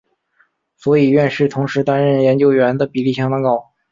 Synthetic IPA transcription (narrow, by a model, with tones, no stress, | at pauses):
swɔ˧˥i˨˩ɥɛ˥˧nʂɻ̩˥˩t̪ʰʊ˧˥ŋʂɻ̩˧˥t̪a˥nɻə˥˩njɛ˧˥nt͡ɕjo˥ʊɥɛ˧˥nd̪ə˨pi˨˩li˥˩ɕjɑ˥ŋt̪ɑ˥ŋkɑ˥˩ʊ